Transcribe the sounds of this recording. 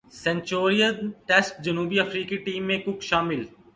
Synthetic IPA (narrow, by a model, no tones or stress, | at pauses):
sɛ̃nt͡ʃoːɾijənʈesʈ̚d͡ʒɐnuːbiɐfɾiːkiʈiːmːẽkʊkʃaːmɪl